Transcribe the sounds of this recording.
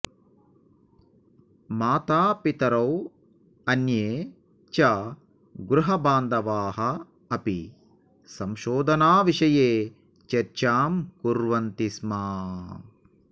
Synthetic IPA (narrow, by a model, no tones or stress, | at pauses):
maːt̪aːpit̪ɐɾɐw | ɐnjeː | t͡ʃa | ɡɾuɦɐbaːnd̪ɐʋaːɦɐː | pi | sɐmʃoːd̪ʱɐnaːʋiʃɐjeː | t͡ʃɐɾt͡ʃaːmkuɾʋɐnt̪ismaː